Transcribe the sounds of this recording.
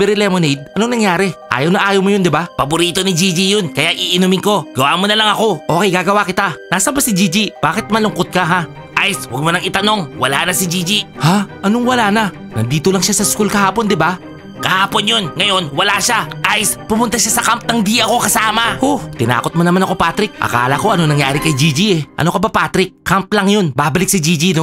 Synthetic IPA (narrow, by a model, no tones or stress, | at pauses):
pɛɾɪlɛmonid̪̚ɐnoŋnɐŋjaːɾɛʔa̰ːjɐwnɐʔaːjɐwmojond̪ɪbapɐbʊɾiːt̪o̞nid͡ʒid͡ʒijonkɐjaʔiʔɪnumɪŋko̞ɡ̥ɐwa̰ːmonɐlɐŋɐko̞ʔo̞ːkɛjkaɡɐwakɪt̪anaːsɐmbasid͡ʒid͡ʒib̥aːkɪt̪̚mɐlʊŋkot̪̚kɐɦa | ʔajswɐɡ̚monɐŋɪt̪ɐno̞ŋwɐla̰nɐsid͡ʒid͡ʒihaʔɐnoŋwɐlaːnɐ | nɐnd̪iːt̪olɐŋʃasɐskulkɐhaːpo̞nd̪ɪba | kɐhaːpo̞njo̞nŋɐjo̞nwɐlaʃaʔajspʊmʊnt̪aʃasɐkamp̚nɐŋd̪iːʔɐko̞kɐsaːmɐhoht̪ɪna̰ːko̞t̪̚mɐnɐmanɐko̞pat̪ɾɪk̚ʔɐ̰ka̰ːlɐko̞ʔɐnonɐŋjaːɾɪkɐjd͡ʒid͡ʒiɛʔɐ̰no̞kɐbapaːt̪ɾɪk̚ːamp̚lɐŋjonbabɐlɪksɪd͡ʒiːd͡ʒino